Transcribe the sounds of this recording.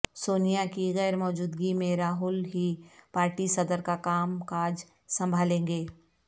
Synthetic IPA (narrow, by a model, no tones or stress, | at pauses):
soːnijakiɣɛːɾmɔːd͡ʒuːd̪ɡimẽɾaːɦʊlɦipaːɾʈisɐd̪əɾkakaːmkaːd͡ʒ | sɐ̃mbʱaːlẽːŋɡeː